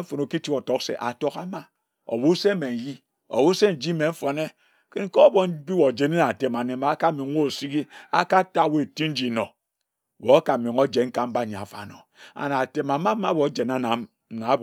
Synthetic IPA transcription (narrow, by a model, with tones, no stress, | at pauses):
fo˨no˨ki˦ti˦ko˨to˦ksḛ˨ʔa̰˨to˦ka˦ma˦ | o̰˨bu˦se˦me˨n̩˨ji˦ | o̰˨wu˦se˦n̩˨d͡ʒi˦me˨m̩˦fo˨ne˦ | ke˦n̩˦ko˦bo˨˦bi˦wo˨d͡ʒe˨˦ne˦na˨te˨ma˨ne˦ma˨˦ka˦mi˨ŋ˦wo˦˨si˦ɡi˦a˦ka˦ta˦˨we˦e˨ti˦n̩˦d͡ʒi˨no˨ | wo˨˦a˦ka˨mi˨ŋo˦d͡ʒe˨nŋ̩˦ka˦m̩˦ba˦˨ɲ˨a̰˨fa̰˨no̰˨ | a̰˨na˨te˨ma˨˦ma˦ma˦bo˨˦d͡ʒe˨na˦na˨m̩˨ | na˨˦